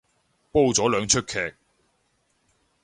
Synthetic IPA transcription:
po˥wt͡sɔː˨˥lœː˨˧ŋt͡ʃʰɵ˥t̚kʰɛː˧k̚

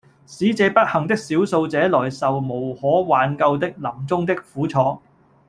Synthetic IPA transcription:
siː˨˥t͡sɛː˧pɐ˥t̚hɐ˨˩ŋt̪ɪ˥k̚siː˨˥wso˧wt͡sɛː˨˥lɔː˨˩jsɐ˨wmo˨˩whɔː˨˥waː˨˧nkɐ˧wt̪ɪ˥k̚lɐ˨˩mt͡sʊ˥ŋt̪ɪ˥k̚fuː˨˥t͡sʰɔː˨˥

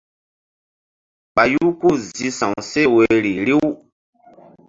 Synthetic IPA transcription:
k͡pa˨ju˦ku˦˨zi˧sã˨wse˦we˦ɾi˨ɾi˦w

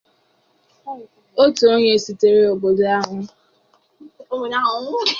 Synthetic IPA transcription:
o˦tu˨o˦ɲe˦˨si˨te˨ɾe˦o˨bo˨do˦a˦ɦʊ˦ | o˦o˨na˦ʊ˨˦

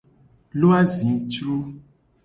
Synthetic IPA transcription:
lo˦a˦zĩ˨t͡ʃɾo˦

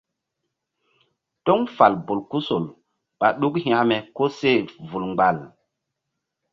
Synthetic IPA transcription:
tɔ˦ŋfa˨lbo˨lku˦so˨l | ɓa˨ɗu˦khĩ˦˨a˦me˨ko˦se˦˨vu˨lŋ͡mɡ͡ba˨l

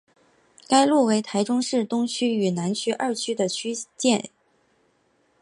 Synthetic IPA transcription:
ka˥ɪlu˥˩we˧˥ɪt̪ʰa˧˥ɪʈ͡ʂʊ˥ŋʂɻ̩˥˩t̪ʊ˥ŋt͡ɕʰy˥y˨˩na˧˥nt͡ɕʰy˥ʔɐ˥˩t͡ɕʰy˥d̪ə˨t͡ɕʰy˥t͡ɕjɛ˥˩n

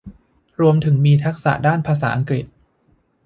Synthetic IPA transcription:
ɾu˧əmt̪ʰɯ˩˦ŋmiː˧t̪ʰa˦˥k̚sa̰˨˩ʔdaː˥˩npʰaː˧sa̰ː˩˦ʔa˧ŋkɾi˨˩t̪̚

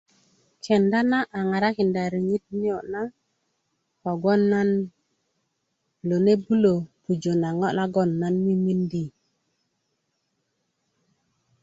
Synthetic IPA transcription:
kʰe˨nda˦na˦ʔa˨ŋa˨ɾa˦ki˨nda˨ɾi˨ŋi˦t̚ni˦o˨na˦ | kɔ˨ɡɔ˦nːa˦n | lo˨ne˦bu˦lo˨pu˨d͡ʒo˨na˨ŋɔ˦na˦ɡɔ˦˨nːa˦nmi˦mi˦ndi˦

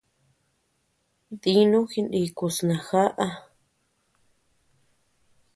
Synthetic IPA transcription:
ði˧˦nũ˦xi˧nɗi˧˨ku˧snã˨xa˦ʔa˧

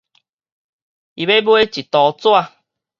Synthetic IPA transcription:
i˨βe˦bo˦e˦t͡ʃi˨t̪ɔ˨˦t͡so˦a˧

